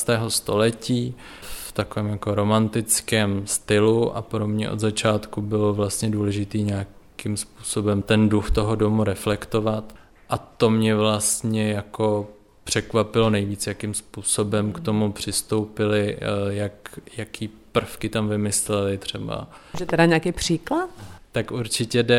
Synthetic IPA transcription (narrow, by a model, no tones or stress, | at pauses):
st̪ɛːɦo̞st̪o̞lɛciː | ft̪akovɛːmjako̞ɾo̞mant̪ɪt͡skɛːmst̪ɪluʔa̰pɾo̞mɲɛ̰ʔo̞d̪zat͡ʃaːt̪kubɪlovlast̪ɲɛduːlɛʒɪt̪iːɲaːkɪmspu̥ːso̞bɛmt̪ɛnduxt̪o̞ɦodo̞muɾɛflɛkt̪o̞vat̪ | ʔat̪o̞mɲɛvlast̪ɲɛjako̞ | pr̝̥ɛkvapɪlo̞nɛjviːt͡sjakɪmspuːso̞bɛmkt̪o̞mupr̝̥ɪst̪o̞wpɪlɪjakjakʰiːpr̩fkɪt̪amvɪmɪslɛlɪt̪r̝̥ɛba̰ʒɛt̪ɛdaɲɛakijpr̝̥iːklat̪t̪akuɾt͡ʃɪcɛdɛ